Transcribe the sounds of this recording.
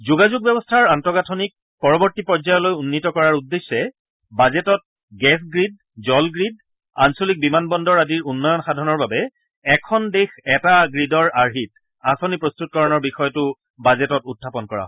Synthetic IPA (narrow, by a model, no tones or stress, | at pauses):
zuɡazuɡ̚bɛbɔstʰaɹantɔɡatʰonik̚ | pɔɹɔbɔɹtipɔzajɔlojunːitɔkɔɹaɹudːesːɛ | bazɛtɔt̚ | ɡɛs̬ɡɹid̚ | zɔlɡɹid | a̰nsolik̚bimanbɔndɔɹadiɹunːɔjɔnxadʱɔnɔɹbabɛ | ɛkʰɔndexɛtaɡɹidɔɹaɹɦit̚ | asonipɹostut̚kɔɹɔnɔɹbixɔjɔtʊ | bazɛtɔtutʰːapɔnkɔɹa̰ɦɔ